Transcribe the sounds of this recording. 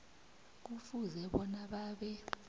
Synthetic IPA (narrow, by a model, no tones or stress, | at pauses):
k̬ufuzɛɓɔnaɓaːɓɛ